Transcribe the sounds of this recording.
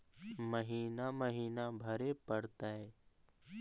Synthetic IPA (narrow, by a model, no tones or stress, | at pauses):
məɦiːnaːməɦiːnaːbʱəɾeːpəɽt̪aːɦɛː